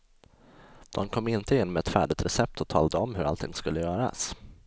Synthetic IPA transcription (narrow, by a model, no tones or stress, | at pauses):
d̪̥ɔmkʰɔmːɪnt̪əɪnːmɛɛt̪fæ̰ːɖɪt̪ɾɛsɛp̚t̪ʰɔt̪ʰɑ̰ːld̪əɔmːhɵɾʔalt̪ʰɪŋːskɵlːəjœːɾa̰s